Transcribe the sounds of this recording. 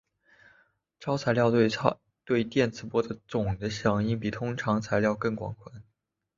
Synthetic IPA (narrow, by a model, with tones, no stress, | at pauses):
ʈ͡ʂɑ˥ʊt͡sʰa˧˥ɪljɑ˥˧ʊ˥˩ | t̪we˥˧ɪt̪jɛ˥˩nt͡sʰɹ̩˧˥˩pwɔ˥d̪ə˨t͡sʊ˨˩ŋd̪ə˦ɕjɑ˨˩ŋi˥˩npi˨˩t̪ʰʊ˥ŋʈ͡ʂʰɑ˧˥ŋt͡sʰa˧˥ɪljɑ˥˧ʊkɤ˥˩ŋkwɑ̰˨˩ŋkʰwa˧˥˦n